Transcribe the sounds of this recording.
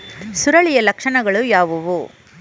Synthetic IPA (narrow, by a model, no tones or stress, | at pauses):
suɾɐɭijɐlɐkʂɐɳɐɡɐɭujaːʋuʋu